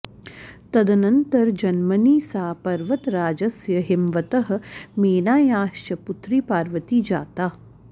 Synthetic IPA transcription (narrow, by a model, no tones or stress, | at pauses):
t̪ɐd̪ɐnɐnt̪ɐɾd͡ʒɐnmɐniːsaːpɐɾʋɐt̪ɾaːd͡ʒɐsjɐɦɪmʋɐt̪ɐɦɐ̆meːnaːjaːʃt͡ʃɐput̪ɾiːpaːɾʋɐt̪iːd͡ʒa̰ːt̪aː